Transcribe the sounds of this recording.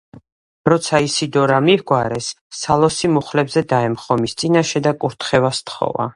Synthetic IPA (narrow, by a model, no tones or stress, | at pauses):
ɾɔt̪sʰaisid̪ɔɾamihɡwaɾɛsː | alˠɔsimuχlɛbzɛd̪aɛmχɔmist̪sʼinaʃɛd̪akʼuɾt̪ʰχɛvast̪ʰχɔ̰va̰